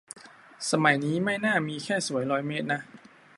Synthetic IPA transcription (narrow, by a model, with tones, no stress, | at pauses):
sa˧ma˨˩˦jniː˦˥ma˥˩jnaː˥˩miː˧kʰɛː˥˩su˩˦əjɾɔː˦˥jmeː˦˥t̪̚na˦˥ʔ